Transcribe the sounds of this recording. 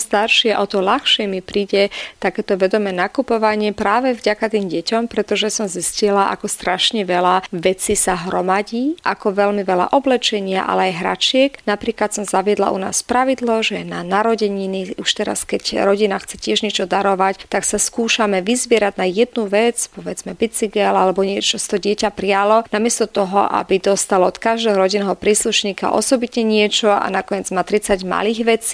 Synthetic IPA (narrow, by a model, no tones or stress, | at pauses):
st̪aɾʃɪɛʔɔt̪ɔlaxʃɛmipɾiːɟɛt̪akɛːt̪ɔʋɛd̪ɔmɛːnakupɔʋaɲɪɛpɾaːʋɛvɟakat̪iːmɟɛcɔmpɾɛt̪ɔʒɛsɔmziscilaʔa̰kɔst̪ɾaʃɲɛʋɛlaʋɛt͡sisaɦɾɔmaɟiːʔakɔʋɛlmiʋɛla̰ʔɔblɛt͡ʃɛɲɪa̰ʔa̰lɛajɦɾa̰t͡ʃɪɛknapɾiːklat̪sɔmzaʋɪɛd̪la̰ʔṵna̰ːspɾaʋid̪lɔʒɛjɛnanaɾɔɟɛɲiniuʃt̪ɛɾa̰skɛcɾɔɟinaxt͡sɛcɪɛʒɲɛt͡ʃɔd̪aɾɔʋact̪aksaskuːʃamɛʋizʋɪɛɾadnajɛd̪nuʋɛt͡spɔʋɛd͡zmɛbit͡siɡɛlalɛbɔɲɪɛt͡ʃɔst̪ɔɟɪɛcapɾialɔnamɪɛst̪ɔt̪ɔɦɔ̰ʔa̰bid̪ɔst̪alɔɔt̪kaʒd̪ɛːɦɔɾɔɟinɛɦɔpɾiːsluʃɲiːka̰ʔɔ̰sɔbit̪ɲɛɲɪɛt͡ʃɔa̰nakɔɲɪɛd͡zmaːt̪ɾit͡saɟma̰liːɣʋɛt͡si̥